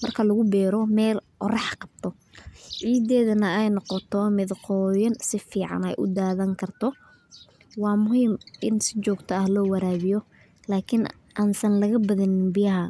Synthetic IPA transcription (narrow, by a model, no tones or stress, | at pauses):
mɐrkʰɐlɐɣʊbɛːɾɔmɛːlqɔrɛħqɑb̥̚t̪ʰɔ | ʕiːd̪ɛːðɐnɐɛjnɔqɔt̪ʰɔmɪðqɔːjɐnsɪfiːʕɑ̰nɛ̰jʔʊ̰d̪aːðɐŋkʰɐrt̪ʰɔ | wɑːmʊhiːmʔɪnsɪt͡ʃɔːɡt̪ʰɐɐhlɔːwɐɾaːβɪjɔ | laːkʰɪn | ʔaːnsɐnlɐɣɐbɐðɪnɪnbɪjɐɦɐ